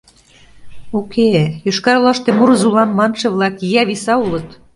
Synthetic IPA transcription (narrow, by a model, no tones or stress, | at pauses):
ukejyʃkɑɾlɑʃt̪emuɾzulɑnmɑnʃĕβlɑkjæβisɑulɤ̆t̪